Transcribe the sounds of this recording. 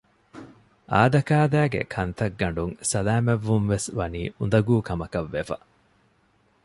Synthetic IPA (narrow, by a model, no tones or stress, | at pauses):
ʔa̰ːd̪ɐkaːd̪æːɡḛkʰɐnt̪ɐɡːɐɳɖuŋsɐlaːmeʋːunʋesʋɐniːʔund̪ɐɡuːkɐmɐkɐʋːefɐ̰